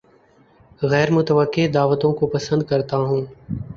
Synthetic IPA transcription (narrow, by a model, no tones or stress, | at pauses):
ɣɛːɾmʊt̪əʋəkːed̪aːʋət̪õːkopəsə̃nd̪̚kɐɾt̪aɦũː